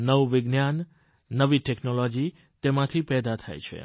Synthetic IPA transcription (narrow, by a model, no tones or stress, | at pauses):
nəʋʋɪɡnjanː | əʋiʈeknolod͡ʒi | t̪emãt̪ʰipɛd̪at̪ʰa̰jt͡ʃʰḛ